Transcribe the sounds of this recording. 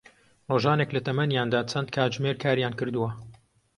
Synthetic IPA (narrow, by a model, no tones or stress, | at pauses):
roːʒaːneklɐt̪ʰɐmɐnjaːnd̪aːt͡sʰɐnd̪kʰaːd͡ʒmeːɾkʰaːɾjaːnkɨɾd̪uwɐ